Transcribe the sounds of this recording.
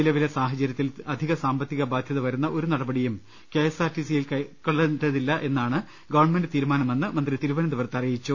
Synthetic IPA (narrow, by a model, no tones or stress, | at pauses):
ilɐʋilesaːɦɐt͡ɕːɐɾjɐt̪ːilɐd̪ʱiɣɐsaːmbɐt̪ːiɣɐbaːd̪ʱjɐðɐʋɐɾunːɐʔo̞ɾunɐɽɐbɐɽijum | ke̞ːsaːrʈːisijilkɐɭːɐʈɐðilːɐʔe̞nːaːɳɨ | ɡɐʋɐɳmendɨt̪iːɾumaːnɐmenːɨmɐnd̪rit̪iɾuʋɐnɐnd̪iʋɐrt̪ːɐrijit͡ɕːu